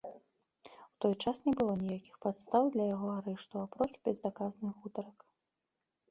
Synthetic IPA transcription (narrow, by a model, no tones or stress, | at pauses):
wt̪ɔjt͡ʂasnʲɛbɨlˠɔnʲijakʲixpat̪st̪awd̪lʲɐjaɣɔaɾɛʂt̪uapɾɔt͡ʂbʲɛzd̪akaznɨɣut̪ɐɾɐk